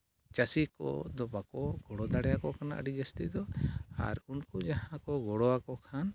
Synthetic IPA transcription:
t͡ʃasikɔ̰d̪ɔbakɔɡɔɽɔd̪aɽɛjakɔkʰanaʔə̰ɖid͡ʒast̪id̪ɔa̰ɾunkud͡ʒaɦãkɔɡɔɽɔakɔkʰan

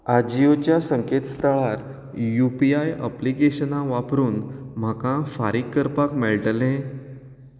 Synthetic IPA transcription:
ad͡ʑijot͡ɕjasəŋket̪st̪ʰəɭaɾ | jupiajə̰plikeɕənãʋapɾuːnm̤akãfaɾikːəɾpakmeɭʈəlẽ

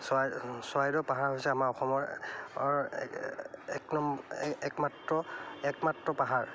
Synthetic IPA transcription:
saswajdɔpaɦaɹɦojsɛamaɹɔxɔmɔɹ | ɛknɔmɛkmatɹɔɛkmatɹɔpaɦaɹ

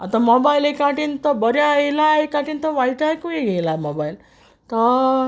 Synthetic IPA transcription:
at̪ãmobajlekaʈiːnt̪ɔbəɾjaelajkaʈint̪ɔʋaiʈajkueɡelamobail | t̪ə

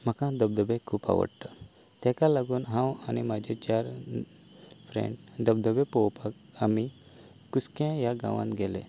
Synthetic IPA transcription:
m̤əkãd̪əb̚d̪əbekʰuːpa̰ʋə̰ɽʈ̪ə | t̪ɛ̃kalaɡuːnɦãwanimad͡ʑet͡ɕaɾ | fʰɾḛ̃ɳɖd̪əb̚d̪əbepowpak | ami | kuskãjaɡã̰ʋa̰nɡɛlḛ

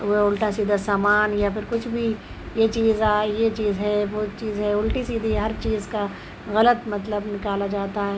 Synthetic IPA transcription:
ʋoʊlʈasiːd̪asaːmaːnjapʰɪɾkʊt͡ʃʰbʱi | jet͡ʃiːzaːjet͡ʃiːzɦɛʋot͡ʃiːzɦɛʊlʈisiːd̪iɦɐɾt͡ʃiːzka | ɣɐlət̪mɐt̪ləbnɪkaːlad͡ʒaːt̪aɦɛː

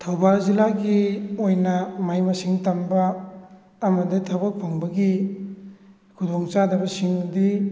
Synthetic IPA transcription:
tʰɐwbalzilaɡiojnɐmajmɐsiŋtɐmbɐː | mɐditʰawbak̚pʰoŋbɐɡi | kʰudoŋt͡ʃadɐbɐsiŋdi

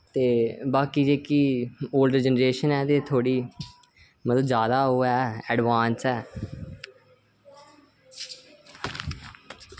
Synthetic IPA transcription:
t̪eːbaːkiːd͡ʒeːkiːoːlɖɾd͡ʒɛnɾeːʃənɛːt̪eːt̪ʰoːɽiː | mət̪ləbzjaːd̪aːɦoːɛːɛɖʋaːnsɛː

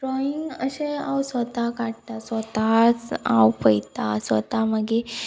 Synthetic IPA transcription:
ɖɾɔiŋɡəɕeawsʋət̪akaɽt̪asʋət̪at͡sa̰wpəjt̪asʋə̰t̪aməɡe

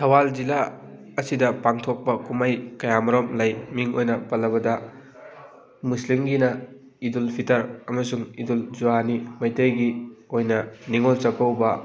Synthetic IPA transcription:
tʰɐwald͡ʒila | ɐsidɐpaŋtʰok̚pɐkumajkɐjamɐɾomlajmiŋojnɐpɐlːɐβɐdɐ | muslimɡinɐ | idulpʰitɐɾɐmɐsuŋidulzuanimɐjtejɡiojnɐniŋolt͡ʃɐkɐwbɐ

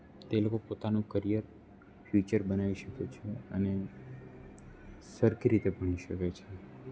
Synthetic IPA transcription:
t̪elokopot̪anũkəɾijəɾ | fʰjut͡ʃəɾbənaʋiʃəket͡ʃʰeəne | səɾkʰiɾit̪ebəɳ̃iʃəket͡ʃʰe

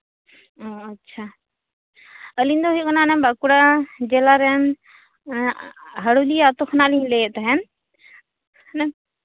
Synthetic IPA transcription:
ɔətːʃʰa | əlind̪ɔɦuijkɔnanɛmbakuɽad͡ʒɛlaɾɛn | ɦəɽuliat̪ɔxʰɔnalinlɛjɛʔt̪aɦɛn | nɛ

